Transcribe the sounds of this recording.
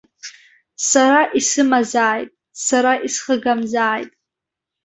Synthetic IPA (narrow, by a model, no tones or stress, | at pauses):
saɾaʔisɨmazaːjtʼ | saɾaʔisχəɡamzaːjtʼ